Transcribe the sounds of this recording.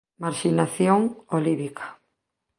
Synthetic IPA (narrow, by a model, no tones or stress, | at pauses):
maɾʃinaθjoŋoliβikʰḁ